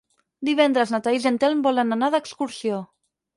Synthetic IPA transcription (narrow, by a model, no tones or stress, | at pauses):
d̪iβ̞ɛnd̪ɾəznat̪aizənt̪ɛlmbɔlənanaðəkskuɾsio